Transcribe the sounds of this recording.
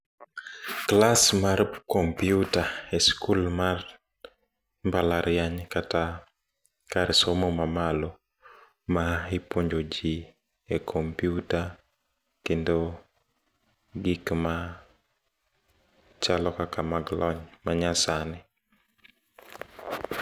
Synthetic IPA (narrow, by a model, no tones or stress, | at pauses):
klasmaɾkompiutaeskulmar | mbalaɾɪjaɲkata | kaɾɪsomomamalo | maipwoɲd͡ʒod͡ʒi | ekʰompiuta | kendo | ɡikma | t͡ʃalɔkakamaɡlɔɲmaɲasanɪ